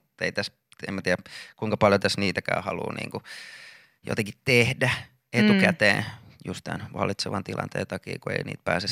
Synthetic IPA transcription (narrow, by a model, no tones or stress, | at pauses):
t̪eit̪æs | emæt̪iːækuiŋkɑpɑljot̪æsniːt̪ækæ̰ːhɑlṵːnḭːŋku | jo̰t̪eŋkitt̪ehdæ | et̪ukæt̪ḛːnjust̪t̪ænʋɑlit̪seʋɑnt̪ilʔɑ̰nt̪eːnt̪ɑkḭːkuḛinḭːt̪̚pæːses